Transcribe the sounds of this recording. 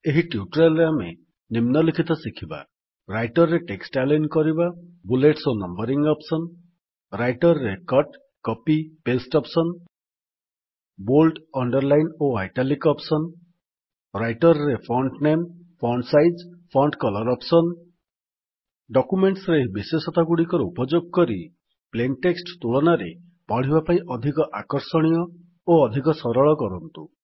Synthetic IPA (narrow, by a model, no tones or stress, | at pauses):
eɦiʈjuʈɾalamḛ | nimnʌlikʰit̪ɔsikʰiba̰ | ɾajʈɔɾːeʈeksʈalajnkɔɾibabuleʈsonʌmbʌɾiŋɡɔpsʌn | ɾajʈɔɾːekʌʈ | kɔpipesʈɔpsʌn | bolʈɔɳɖʌɾlajnoajʈalikɔpsɔn | ɾajʈɔɾɔɾepʰɾɔɳɖnem | pʰɔɳɖsajd͡ʒpʰɾɔɳɖkɔlɔɾɔpsɔn | ɖɔkumeɳʈsɾebisesɔt̪aɡuɽikɔɾɔupɔd͡ʒoɡ̚kɔɾi | plenʈeksʈt̪uɭɔnaɾe | paɽ̤ibapaĩʔɔd̪ʱikɔʔakɔɾsɔɽ̃ijɔ | oɔd̪ʱikɔsɔɾɔɭɔkɔɾɔnt̪u